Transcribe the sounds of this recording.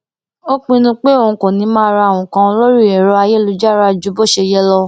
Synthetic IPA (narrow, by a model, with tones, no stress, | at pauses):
o˦k͡pĩ˧nũ˧k͡pe˦o˦˨ũ˨˧kõ˨nĩ˨˦mãː˦˧ɾa˧a˨w̃ɔ̃˨kã˧lo˦ɾi˦˨ɛ˨ɾɔ˧˦a˧je˦lu˧d͡ʒa˦˨ɾa˦˧d͡ʒu˨˦bo˦˨ʃe˧jɛ˦lɔ˧